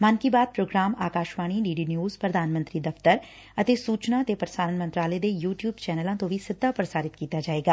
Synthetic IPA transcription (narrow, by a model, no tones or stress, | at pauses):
mənkiːbaːd̪̚pɾoːɡɾaːmaːkaːʃʋaːɽ̃iːɖiːɖiːnjuːzpɾəd̪ʱaːnmə̃nt̪ɾiːd̪ɐft̪əɾ | ət̪eːsuːt͡ʃnaːt̪eːpɾəsaːɾənmə̃nt̪ɾaːlɛed̪eːjuːʈjuːbt͡ʃɛːnəlãːt̪õʋisɪd̪ʱːaːpɾəsaːɾɪt̪kiːt̪aːd͡ʒaːeːɡaː